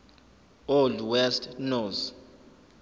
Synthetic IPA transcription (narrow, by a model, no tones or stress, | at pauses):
ɔldwɛstʰnɔs